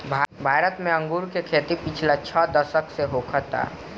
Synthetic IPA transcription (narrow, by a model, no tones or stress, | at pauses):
bʱabʱaːɾət̪mẽə̃ŋɡuːɾkekʰeːt̪ipɪt͡ʃʰlat͡ʃʰəd̪əsəkseɦokʰət̪a̰